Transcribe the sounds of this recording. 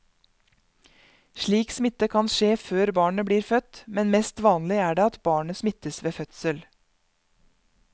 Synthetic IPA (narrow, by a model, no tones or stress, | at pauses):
ʃɭiːksmɪt̪əkʰɑnʃeːføːɾbɑːɳəbliːɾfœt̪mɛnmɛst̪ʋɑːnlɪæːɖeːɑt̪bɑːɳəsmɪt̪əsʋeːfœt̪səl